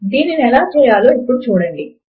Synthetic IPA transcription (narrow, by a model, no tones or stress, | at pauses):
d̪iːninɛlaːt͡ʃɛːjaːloːipːuɽut͡ʃuːɽɐɳɖi